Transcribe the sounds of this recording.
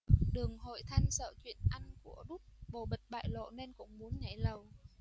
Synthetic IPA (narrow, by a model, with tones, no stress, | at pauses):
ɗɨ˨˩əŋɦo̰˧˨jt̪ʰa˧jŋsə̰ː˧˨t͡ɕwḭ˧˨ənʔa˧ŋku˧˩əɗʊ˦˥t̚ɓo˨˩ɓə˨˩t̚ɓa̰ː˧˨jlo̰˧˨ne˧nkʊ̰˧˥˨ŋ͡mmu˨˦ənɲa˧˩jlə˨˩w